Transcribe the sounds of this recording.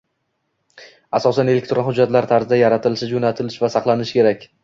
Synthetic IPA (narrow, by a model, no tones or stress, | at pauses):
asɒsane̞lekʲt̪ɾonhʊd͡ʒːat̪laɾt̪ʰaɾzɪd̪ajaɾat̪ʰɪlɪʃɪd͡ʒonat̪ʰɪlɪʃvasɑqlˠanɪʃkʲe̞ɾakʲ